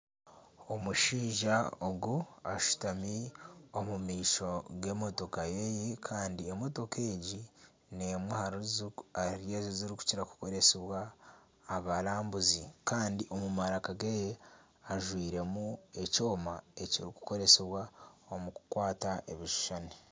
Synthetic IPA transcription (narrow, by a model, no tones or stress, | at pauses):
omuʃiːʒaoɡuaʃu̥tamiomumiːʃo̞ɡe̞mo̞to̞kajejekʰaːndiemoto̞ke̞ːɟi | nemwehaɾuzaiɾje̞ːziziɾiku̥ciɾaku̥ko̞ɾe̞seβwaː | βalaːmbuzikʰaːndiʔo̞mumaɾakaɡeje | aʒwiːɾe̞mue̞co̞ːmae̞ciɾiku̥ko̞ɾe̞seβwaomuku̥kwaːtaʔḛβiʃu̥ʃane